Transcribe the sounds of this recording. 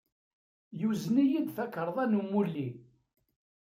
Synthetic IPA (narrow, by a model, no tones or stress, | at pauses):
juznijid̪θækːəɾˤðˤænumːulːi